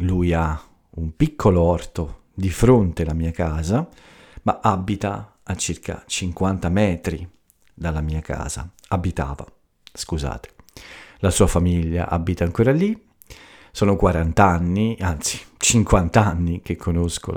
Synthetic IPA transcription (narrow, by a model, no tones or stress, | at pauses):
luja | umpikʰːoloɔrt̪o | d̪ifɾont̪elamiːakaːza | maʔabːit̪aː | t͡ʃːirkʰa̰t͡ʃiŋkwant̪amɛːt̪ɾi | d̪alamiːaka̰ːz̥a̰ | abit̪a̰ːva̰ | skuza̰ːt̪e̥lasuːafamiʎːa̰ʔa̰bːit̪aːŋkoːɾali | sɔːnokwaɾant̪anːiant̪si̥t͡ʃiŋkwant̪anːik̟ekʰːonosko̰